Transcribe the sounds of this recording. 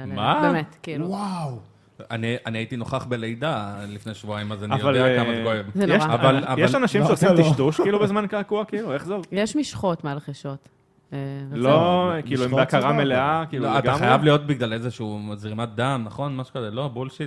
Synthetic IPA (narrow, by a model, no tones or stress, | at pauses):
mabbemet̪kiːluuwaw | a̰nianiaitino̞χaχbele̞jd̪alifnejʃvuajmazanajvaldeakamaakoevzenjeʁʃaavalavjaʃanaʃimʃeosiiʃtuʃkiːlubezmankakuakiːlueχzovjeʃmiʃχotmealχeʃot̪ | evlokiːluimbeakaʁameleakiːlatɡ̪aχajavlijo̞t̚biɡlale̞zeʃuuːzʁimat̪̚d̪amnaχo̞nmaʃu̥kazelo̞abulʃit